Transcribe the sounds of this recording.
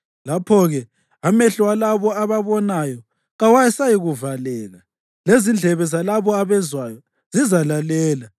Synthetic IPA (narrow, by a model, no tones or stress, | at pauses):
lapʰɔɣɛ | amɛɬwalaβɔaβaβɔnajɔ | ɣawajɛsajiɣuvalɛːɣa | lezind͡ɮʱɛβɛzalaβɔaβɛzwajɔ | z̥izalalɛːla